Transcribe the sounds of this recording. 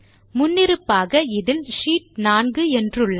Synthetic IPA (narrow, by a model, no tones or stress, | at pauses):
mʊnːɪɾɯpːaːɣɐɪðɪlʂiːʈ̚naːnɡɯɛndrɯɭːɐ